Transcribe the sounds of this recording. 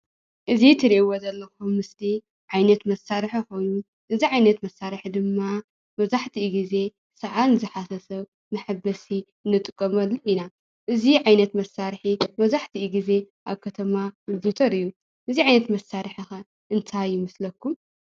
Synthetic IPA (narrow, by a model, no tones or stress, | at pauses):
ʔɨzit̪ʰɨɾiʔwozɐlːɐxumːɨsli | ʕajnɐt̪mɐsːaɾħiko̞jnu | ʔɨziʕajnɐt̪mɐsːaɾɨħid̪ɨmːa | mɐβzaħt̪ʰiːɡize̞ | sɐʕanzɨħasɐsɐβ | mɐħabɐsi | ɨnːɨt̪ʼɨkʼːɐmɐlːuina | ʔɨziʕajnɐt̪mɐsːaɾħimɐzaħt̪ʰiʔːɡize̞ʔaβkʰɐt̪ʰɐmabut̪ʰɐɾɨjːu | ʔɨziʕajnɐt̪mɐsːaɾħixɐ | ʔɨnt̪ʰajːɪmɨslɐkʰːum